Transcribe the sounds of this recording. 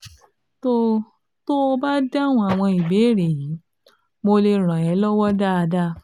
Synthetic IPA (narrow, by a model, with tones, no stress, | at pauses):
to˦ | to˦o˧ba˦da˦˨w̃ɔ̃˧a˨w̃ɔ̃˧i˨be˨˦˨ɾe˨ji˨˦ | mo˧le˧ɾ̃ã˨ɛ˨˦lɔ˦wɔ˦da˦a˧da˦